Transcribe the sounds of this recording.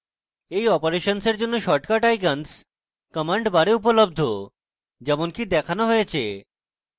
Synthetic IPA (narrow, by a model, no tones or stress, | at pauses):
ejɔpoɾeʃonseɾd͡ʑonːoʃɔʈkaʈajkans | kɔmaɳɖbaɾeup̬olobd̪ʱo | d͡ʑɛmonkid̪ɛkʰanoɦojet͡ɕʰḛ